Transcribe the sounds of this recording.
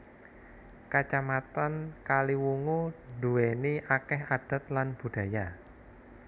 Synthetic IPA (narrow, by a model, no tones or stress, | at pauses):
kat͡ʃamat̪ankaliwuŋuduweniʔakɛɦad̥a̤t̪̚lanb̥ṳɖ̥a̤ja